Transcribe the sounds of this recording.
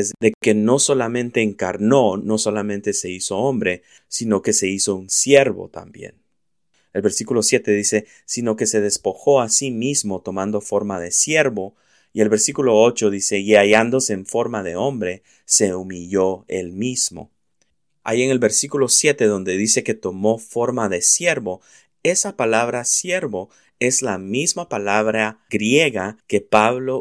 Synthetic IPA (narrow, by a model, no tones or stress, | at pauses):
ezd̪eke̞no̞so̞lamẽ̞nt̪e̞ːŋkaɾno̞no̞so̞lamẽnt̪e̞se̞iso̞ombɾe̞ | sino̞ke̞se̞iso̞unsje̞ɾβo̞̰t̪a̰mbje̞̰n | elβe̞ɾsikulo̞sje̞t̪e̞ðise̞ | sino̞ke̞se̞ðe̞spo̞xo̞asimizmo̞t̪o̞mand̪o̞fo̞ɾmaðe̞sje̞ɾβo̞ | ie̞lβe̞ɾsikulo̞ot͡ʃo̞ðise̞iaʝand̪o̞se̞ːɱfo̞ɾmaðe̞o̞mbɾe̞ | se̞umiʎo̞ḛlmizmo̞̰ | a̰jieŋe̞lβe̞ɾsikulo̞sje̞t̪e̞ðond̪e̞ðise̞ke̞t̪o̞mo̞fo̞ɾmaðe̞sje̞ɾβo̞ | e̞sapalaβɾasje̞ɾβo̞ | e̞zlamizmapalaβɾaɡɾje̞ɣake̞paβlo